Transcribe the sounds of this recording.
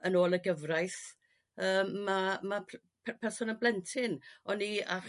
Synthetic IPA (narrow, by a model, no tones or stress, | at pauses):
ənoːlˠəɡəvrajθ | əːmːama | pʰpʰɛrsʊnənblɛntʰɪnɔnia